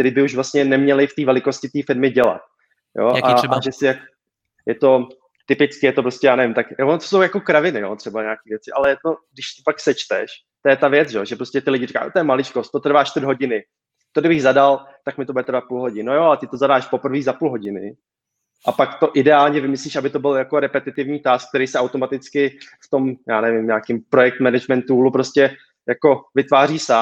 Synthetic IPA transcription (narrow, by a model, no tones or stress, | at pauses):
k̚t̪ɛɾiːbɪuʒvlast̪ɲɛnɛmɲɛlɪft̪iːvɛlɪko̞scɪt̪iːfɪɾmɪɟɛla̰t̪̚ | jo̰ːʔaʒɛsɪjak | jɛt̪o̞ | t̪ɪpɪt͡skɪjɛt̪opɾoscɛjaːnɛvɪmt̪akjvonot̪osowjako̞kɾavɪnɪjo̰t̪r̝̥ɛbaɲaːkiːvjɛt͡sɪʔalɛjɛt̪o̞ɡdɪʃt̪opaksɛt͡ʃt̪ɛʃ | t̪ojɛt̪avjɛt͡sʒɛʒɛpɾoscɛt̪ɪlɪɟɪrɪkaːjo̰ːt̪ojɛmalɪt͡ʃkost̪ːo̞t̪r̩vaːʃt͡ʃt̪ɪrdɦo̞ɟɪnɪ | t̪odɪbɪɣzadal | t̪akmɪt̪obudɛt̪ɾ̩vat̪̚puːlɦo̞ɟɪnojoalɛt̪ɪt̪o̞zadaːʃpo̞p̩viːɣzapuːlɦo̞ɟɪnɪ̰ | ʔapakt̪o̞ʔɪdɛaːlɲɛvɪmɪsliːʃabɪt̪o̞bɪljako̞ɾɛpɛt̪ɪt̪ɪvɲiːt̪aːsk̚t̪ɛɾijsɛʔawt̪o̞mat̪ɪt͡skɪft̪o̞mjaːnɛvɪmɲaːkɪmpɾo̞jɛk̚t̪mɛnɛd͡ʒmɛnt̪ulupɾo̞scʲɛ | jako̞vɪt̪vaːriːsaː